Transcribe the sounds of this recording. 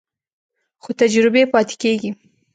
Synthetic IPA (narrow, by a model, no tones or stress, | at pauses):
xot̪ad͡ʒɾɪbepɑt̪ɪ̥keɡi